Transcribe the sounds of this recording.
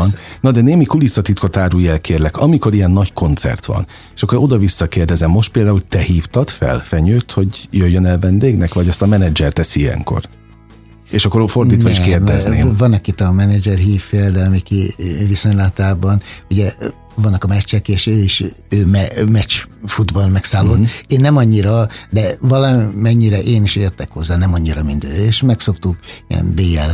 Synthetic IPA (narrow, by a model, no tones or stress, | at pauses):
nnːɒd̪ɛneːmikulisɒt̪it̪kot̪aːɾuːjɛlkʰeːrlɛkɒmiko̞ɾiɛnːɒɟko̞nt̪sɛ̰rt̪ʋɒ̰n | eːʃɒkːoɾo̞d̪ɒvisːɒkeːrd̪ɛzɛmːo̞ʃt̪peːld̪aːult̪ɛhiːft̪ɒt̪fɛ̰lfɛɲøːt̪ho̞ɟjøjːønɛlvɛnd̪eːɡnɛkʋɒɟɒst̪ɒmɛnɛd͡ʒɛrt̪ɛsiiɛ̰ŋko̰r | eːʃɒkːoɾfo̞rd̪iːt̪ʋɒeːʃkeːrd̪ɛznḛːvɒnɒkit̪ɒmɛnɛd͡ʒɛrɦiːfːeːld̪ɛmikiviso̞ɲlat̪aːbɒnuɟɛ | vɒnːɒkɒmɛt͡ʃːɛkeːʃøːiʃ | øːmɛmɛt͡ʃfud̪bɒlmɛksaːlːoːt̪ːeːnːɛmɒɲːiɾɒd̪ɛvɒlɒmɛɲːiɾɛʔeːniʃeːrt̪ɛkho̞zːaːnɛmɒɲːiɾɒmind̪ø̰ːeːʃmɛkso̞kt̪ukiɛ̰nbeːɛl